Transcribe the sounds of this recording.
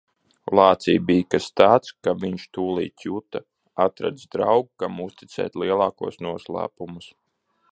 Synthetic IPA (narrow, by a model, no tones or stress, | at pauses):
lˠɑːt̪sḭːbiːjkast̪aːt̪skaviɲʃt̪uːlˠḭːt̪ʲut̪a | at̪ɾa̰d̪zd̪ɾawɡkamust̪i̥t̪sɛ̰ːt̪liɛlˠɑːkuɔsnuɔslˠæ̰ːpumus